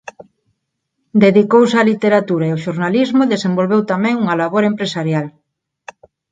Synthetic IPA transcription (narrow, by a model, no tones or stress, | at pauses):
d̪eðikowsealit̪eɾat̪uɾaeoʃoɾnalizmʊðesembolβewt̪amɛ̃ŋuŋɐlaβoɾempɾesaɾjal